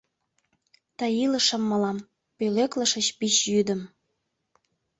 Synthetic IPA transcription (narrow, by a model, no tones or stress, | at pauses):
t̪ɑjilə̆ʃə̆mːəlɑm | pøleklə̆ʃə̆t͡ɕpit͡ɕjyd̪ə̆m